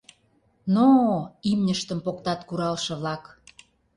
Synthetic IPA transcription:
noimnʲəʃt̪ə̆mpokt̪ɑt̪kuɾɑlʃɤ̆βlɑk

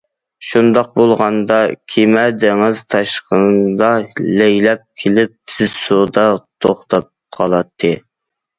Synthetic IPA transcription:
ʃund̪ɑq̚bolˠʁɑnd̪ɑkʲʰemɛd̪ɪŋɪzt̪ʰɑʃqənd̪ɑlɛjlɛp̚kʲʰelɪp̚t̪ʰɪzsud̪ɑt̪ʰoχt̪ʰɑp̚qʰɑlˠɑt̪ʰːɨ

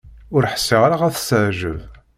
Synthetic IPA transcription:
ʊɾħə̥sːɪʁaɾaʁæθə̥səʕʒəv

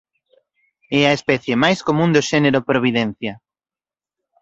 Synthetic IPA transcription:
ɛɐespɛθjemajskomũnd̪oʃɛneɾʊpɾoβ̞iðɛnθjɐ

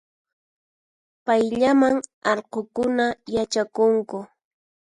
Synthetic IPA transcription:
pajʎamaŋɑɾqokʊnajat͡ʃakʊŋkʊ

